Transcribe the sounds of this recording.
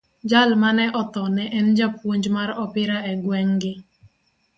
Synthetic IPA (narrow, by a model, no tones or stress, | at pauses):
d͡ʒalmanɛʔɔt̪ɔnɛʔɛnd͡ʒapwoɲd͡ʒmaɾɔpɪɾaɛɡwɛŋɡɪ